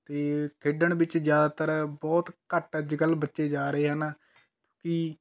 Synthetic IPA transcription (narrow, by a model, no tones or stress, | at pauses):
t̪eːkʰeːɖəɳbɪt͡ʃzjaːd̪aːt̪əɾbɔːt̪kəʈəd͡ʒɡəlbətːʃeːd͡ʒaːɾəeːɦən | kjõːkɪ